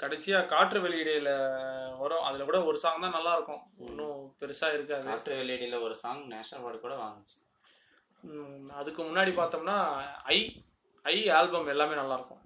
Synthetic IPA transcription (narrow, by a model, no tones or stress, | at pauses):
kɐɽɛt͡ʃːɪjaːkaːʈɾɯʋɛlːɪɽɪɪlɐɔɾɐ̃ʔɐðɪlɐkuːɽɐɔɾɯsaːŋɐt̪ãːnɐlːaːɪɾɯkːʊ̃ɔnːʊ̃pɛɾɯsaːɪɾɯkːaːðkɯaːʈɾɯʋɛɭɪɪɽɪlɐɔɾɯsaːŋɡɐneːʂnɐlʋaːɽɯkuːɽɐʋa̰ːŋɡɯt͡ʃːɯ̥ | ɐðɯkːɯmʊnːaːɽipaːɾt̪ɐŋnːaːɐɪ | ɐɪaːlbɐmɛlːaːmeːnɐlːaːɪɾɯkːʊ̃